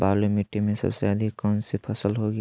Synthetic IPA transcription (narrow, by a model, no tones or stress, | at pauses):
baːlumiʈːemẽsə̰bseəd̪ʱikkɔnsepʰəsəlɦoɡ